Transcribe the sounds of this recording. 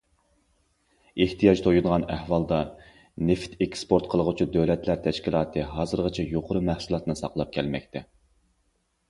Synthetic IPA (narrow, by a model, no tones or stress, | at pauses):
eht̪ʰijɑd͡ʒt̪ʰojud̪əʁɑnæhwɑlˠd̪ɑ | neft̪ekspoɾt̪qʰəlˠəʁʊt͡ʃʰud̪øwlɛt̪ʰlæɾt̪ʰɛʃkʲilˠɑːt̪ʰɨɦɑːzɨɾʁɨt͡ʃʰɛjoqʰʊɾʊmæhsulˠɑt̪nɨsɑ̰qlˠɑp̚kʲʰɛlmɛk̚ʲt̪ʰɛ